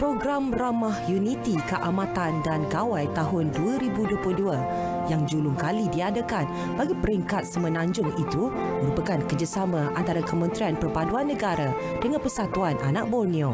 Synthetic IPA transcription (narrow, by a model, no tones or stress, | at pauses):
pɾoɡɾamramahjunit̪ikəʔamãt̪andanɡawajt̪aɦʊnduaɾibuduəplʊhdua | jaŋd͡ʒulʊŋkalidiadakan | baɡipəɾiŋkat̪̚səmə̃nãɲd͡ʒʊŋit̪u | məɾupakankərd͡ʒasamãʔant̪aɾakəmə̃nt̪ɾianpərpaduanːə̃ɡaɾa | d̥əŋãnpərsat̪uanʔa̰nak̚bonĩo